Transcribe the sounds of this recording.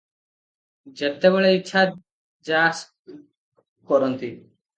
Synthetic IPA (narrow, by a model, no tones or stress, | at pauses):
d͡ʒet̪ːebɔɭeitːʃʰa | d͡ʒaːs | kɔɾɔnt̪i